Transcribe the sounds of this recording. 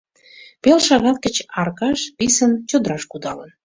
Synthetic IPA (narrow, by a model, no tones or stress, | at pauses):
pelʃɑɣɑt̪̚kə̆t͡ɕɑrkɑʃpisənt͡ɕod̪ɾɑʃkud̪ɑlən